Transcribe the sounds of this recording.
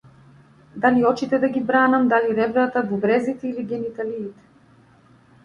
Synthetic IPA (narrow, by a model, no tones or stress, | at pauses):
d̪aliɔt͡ʃit̪ɛd̪aɡibɾanamd̪aliɾɛbɾat̪avubɾɛzit̪ɛiliɡɛnit̪aliːt̪ɛ̥